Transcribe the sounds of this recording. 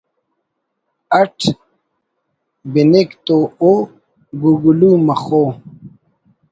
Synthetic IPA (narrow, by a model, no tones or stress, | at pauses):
ɐʈʰ | binekt̪oːo | ɡuɡulumɐχoː